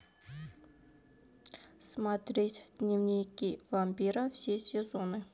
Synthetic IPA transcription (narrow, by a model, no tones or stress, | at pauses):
smat̪ɾʲetʲd̪̥nʲɪvnʲijkʲivampʲiɾəfsʲesʲɪzonɨ